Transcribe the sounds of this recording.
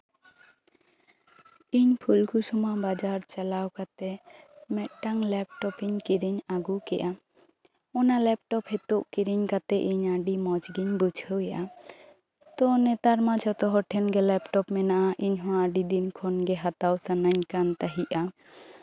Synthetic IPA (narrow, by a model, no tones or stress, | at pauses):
iɲpʰulkʰusumabad͡ʒaɾt͡ʃalawkat̪ɛ | mɛʔ̚ʈaŋlɛp̚ʈɔpiɲkiɾiɲaɡukɛʔa | ɔnalɛp̚ʈɔphɛt̪uʔkiɾiɲkat̪ɛʔiɲaɖimɔd͡ʒɡiɲbud͡ʒʱəwjaʔa | t̪ɔnɛt̪aɾmad͡ʒʱɔt̪ɔɦɔʈʰɛnɡɛlɛpʈɔpmɛnaʔaʔiɲɦɔw̃aɖid̪inkʰɔnɡɛɦat̪awsanaɲkant̪aɦiʔa